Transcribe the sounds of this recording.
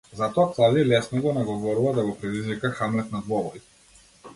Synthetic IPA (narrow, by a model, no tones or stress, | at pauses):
zat̪ɔaklˠad̪ilɛsnɔɡɔnaɡɔvɔɾuvad̪aɡɔpɾɛd̪izvikaxamlɛt̪̚nad̪vɔvɔɾi